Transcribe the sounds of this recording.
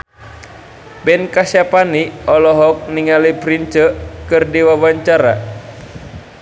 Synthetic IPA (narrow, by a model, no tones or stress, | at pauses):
bɛnkasapaniɔlɔɦɔk̚niŋalipɾint͡ʃəkɨrdiwawaɲt͡ʃaɾa̰